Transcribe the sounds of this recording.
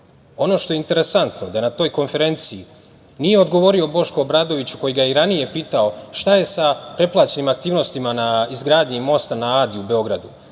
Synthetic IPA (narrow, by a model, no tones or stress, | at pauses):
o̞no̞ːʃt̪o̞jeint̪e̞ɾe̞sant̪no̞d̪anat̪o̞ːjko̞nfe̞ɾe̞nt̪sii | nije̞o̞d̪ɡo̞ʋo̞ɾio̞bo̞ʃko̞ːbɾaːd̪o̞ʋit͡ɕu̥ko̞jiɡajeɾanije̞piːt̪ao̞ʃt̪aje̞sapɾe̞plˠaːt͡ɕe̞nimak̚t̪iːʋno̞st̪imanaizɡɾaːd̪ɲimo̞st̪anaaːd̪iube̞o̞ɡɾad̪u